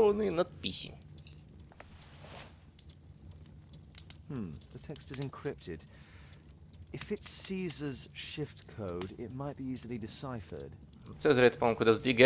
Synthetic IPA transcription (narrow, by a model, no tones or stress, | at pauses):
nənat̪̚piɕḭ | mm̩ðətʰɛkstɨzɪ̃nkʰɹ̥ɪp̚tʰɪd | ɪfɨtsiːzəz̥ʃɪftkʰoʊdɪ̰t̚maɪt̚b̥iizl̩ˠidɪsaɪfə̰d̥̪ | sɛzɾɛt̪pɔmkud̪əzd̪iɡɛ